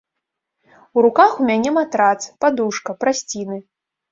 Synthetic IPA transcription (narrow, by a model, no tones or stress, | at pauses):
uɾukaxumʲanʲɛmat̪ɾat̪spad̪uʂkɐpɾasʲt͡sʲinɨ